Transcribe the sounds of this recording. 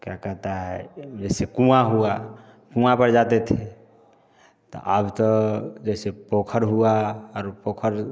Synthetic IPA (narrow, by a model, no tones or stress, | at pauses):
kjakɛɦt̪aɦɛd͡ʒɛːsekũãɦua | kũãpəɾd͡ʒaːt̪et̪ʰe | t̪o̰ʔaːbt̪od͡ʒɛːsepoːkʰəɾɦuaɔːɾpoːkʰəɾ